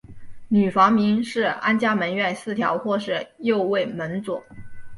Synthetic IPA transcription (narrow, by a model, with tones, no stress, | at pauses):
ny˨˩fɑ˧˥ŋmi˧˥nʂɻ̩˥˩a˥nt͡ɕja˥mə˧˥nɥɛ˥˧nsɹ̩˥˩t̪ʰjɑ̰˧˥ʊxwɔ˥˧ʂɻ̩˥˩jo˥˧ʊwe˥˩ɪmə˧˥nt͡swɔ˨˩˦